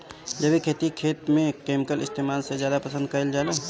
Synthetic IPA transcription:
d͡ʒəbʱikʰeːt̪ikʰeːt̪mẽkeːmɪkəlɪst̪ʰeːmaːlsezjaːd̪apəsə̃nd̪̚kəild͡ʒaːleː

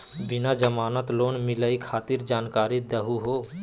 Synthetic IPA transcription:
bɪnad͡ʒəmaːnət̪loːnmɪləikʰaːt̪ɪɾd͡ʒaːnkaːɾid̪əɦuɦoː

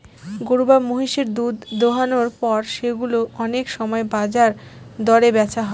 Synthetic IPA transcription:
ɡoɾubamoɦiʃeɾd̪ud̪d̪oɦanoɾpɔɾʃeɡuloʔɔnekʃɔmɔebad͡ʑaɾd̪ɔɾebɛt͡ɕʰaɦɔe

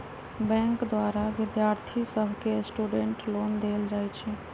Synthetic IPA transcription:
bɛ̃ŋkd̪waɾaʋɪd̪jaɾt̪ʰisəbʱkesʈuɖeɳʈlond̪eld͡ʒajt͡ʃʰɛ

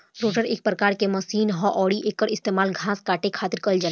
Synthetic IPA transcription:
ɾoːʈəɾeːk̚pɾəkaːɾkemɐsiːnɦɔʔɔːɽiʔeːkːəɾɪst̪eːmaːlɡʱãːskaːʈekʰaːt̪ɪɾkəld͡ʒa

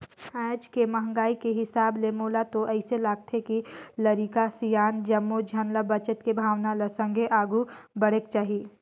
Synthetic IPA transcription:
ɛ̃ːd͡ʒkemɐɦŋɡaːikeɦɪsaːblemoːlat̪oʔɐɪselaːɡ̚t̪ʰekilɐɾikasijaːnd͡ʒɐmːod͡ʒʱɐnləbɐt͡ʃət̪kebʱaːwnaləsə̃ŋɡʱeʔaːɡubəɽ̤eːk̚t͡ʃaːɦiː

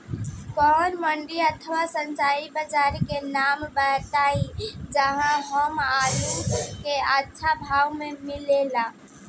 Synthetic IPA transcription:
kɔːnməɳɖiət̪ʰəwasə̃ɲt͡ʃaːibəd͡ʒaːɾekenaːmbɛːʈ̪aːid͡ʒəɦãɦəmaːjukeaːtːʃʰabʱaːwmẽmɪlelaː

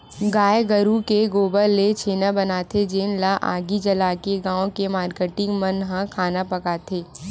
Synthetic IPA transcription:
ɡaːjeɡəɾukeɡoːbəlːet͡ʃʰeːnabɐnaːt̪ʰed͡ʒeːnlaʔaːɡid͡ʒɐlaːkeɡãːõkemaːɾkeʈɪ̃ŋɡmɐnɦãkʰaːnapɐkaːt̪ʰeː

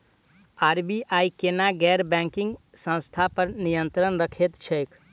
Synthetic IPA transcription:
aɾbiʔajkenaɡɛɾbɛ̃ŋkĩŋɡsə̃w̃st̪ʰapəɾnijənt̪ɾənɾəkʰet̪t͡ʃʰəjkʰ

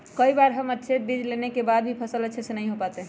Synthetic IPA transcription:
kəibaɾɦəmətːʃʰebid͡ʒlenekebad̪̚bʱipʰəsələːt͡ʃʰesenəɦĩɦopat̪eɦ

